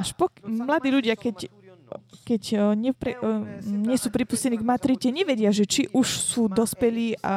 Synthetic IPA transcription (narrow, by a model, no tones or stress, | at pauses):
aʃpɔkmlad̪iːʎuɟɪakɛc | kɛcɲɛpɾɛɲɛsuːpɾipuscɛniɡmat̪ɾicɛɲɛʋɛɟɪaʒɛt͡ʃiʔuʃsuːd̪ɔspɛliːʔa̰